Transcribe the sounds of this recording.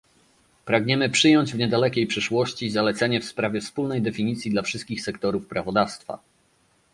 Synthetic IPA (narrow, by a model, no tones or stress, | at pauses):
pɾaɡɲɛmɘpʂɘjɔɲd͡ʑvɲɛd̪alɛkʲejpʂɘʂwɔɕt͡ɕizalɛt̪sɛɲɛfspɾavʲjɛfspulnɛjd̪ɛfʲiɲit̪sʲjid̪lafʂɘst̪̚kʲixsɛkt̪ɔɾufpɾavɔd̪afst̪fa̰